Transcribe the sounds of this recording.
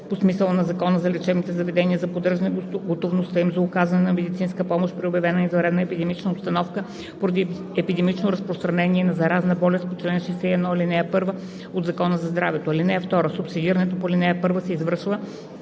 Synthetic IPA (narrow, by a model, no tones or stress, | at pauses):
posmisəlˠnɐzɐkɔnəzɐlʲɛt͡ʃɛvnit̪ɛzɐvɛd̪ɛnʲiəzɐpod̪ɤʒnəɡot̪ovnost̪əimzɐʊkazɐnɛnɐmɛd̪it̪sinskəpɔmoʃt̪pɾiobʲjɐvɛnəizɐɾɛd̪nəɛpid̪ɛmit͡ʃnəopst̪ɐnɔfkə | poɾɐd̪i | ɛpid̪ɛmit͡ʃnoɾɐspɾost̪ɾɐnɛniɛnɐzɐɾaznəbɔlɛst̪̚pot͡ʃlɛnʃɛsɛiɛd̪nɔilinɛɛpɤɾvə | od̪zɐkɔnəzɐzd̪ɾavɛt̪oilinɛɛft̪ɔɾəsʊpsid̪iɾənɛt̪opolʲinɛɛpɤɾvəsɛizvəɾʃvə